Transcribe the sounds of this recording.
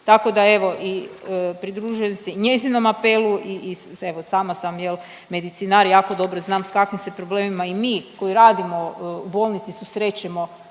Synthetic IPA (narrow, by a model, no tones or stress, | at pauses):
t̪ako̞d̪ae̞ʋo̞ʔipɾid̪ɾuːʒuje̞mseiɲe̞zino̞mape̞lˠuiie̞ʋosaːmasamjelˠ | me̞d̪it̪sinaɾjaːko̞d̪o̞bɾo̞znaːmskakʋimse̞pɾo̞ble̞ːmimaimiːko̞iɾaːd̪imo̞ubo̞lˠnit̪sisusɾe̞t͡ɕemo̞